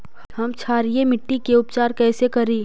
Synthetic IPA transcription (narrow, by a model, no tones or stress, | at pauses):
hɐmt͡ʃʰaːɾijemɪʈːikeʊpt͡ʃaːɾkɛːsekɐɾiː